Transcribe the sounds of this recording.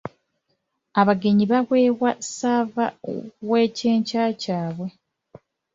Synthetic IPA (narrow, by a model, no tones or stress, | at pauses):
aβaɡe̞ɲiβaβwe̞ːβwasavawe̞ːce̞ːɲcaːcaːβwe̞